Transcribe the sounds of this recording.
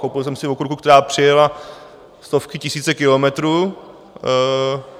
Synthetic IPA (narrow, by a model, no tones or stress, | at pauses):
kowpɪlsɛmsɪvokɾukuk̚t̪ɛɾaːpr̝̥ɪjɛla | st̪o̞fkɪcɪsiːt͡sɛkɪlomɛt̪ɾuː